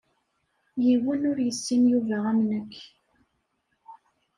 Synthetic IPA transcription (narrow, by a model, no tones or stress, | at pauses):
jiwənʊɾjəsːinjuvæʁæmnəkː